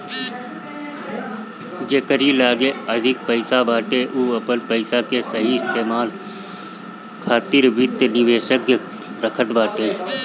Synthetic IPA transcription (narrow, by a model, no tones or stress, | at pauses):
d͡ʒeːkəɾilaːɡeəd̪ʱɪk̚pəɪsabaːʈeʔuːəpənpəɪsakesəɦiɪst̪eːmaːl | kʰaːt̪ɪɾbɪt̪jnɪʋeːʃəkjə | ɾəkʰət̪baːʈeː